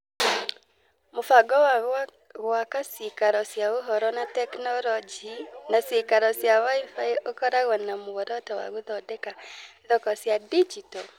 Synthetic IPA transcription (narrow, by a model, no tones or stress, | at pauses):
mofaɡɔwaɣ | ɣwakasikaɾɔsjaoɦɔɾɔnatɛknɔɾɔd͡ʒinasekaɾɔsjawaifaiokɔɾaɣɔnamowɔɾɔtawa̰ɣoðɔdɛkaðɔkɔsjadid͡ʒitɔl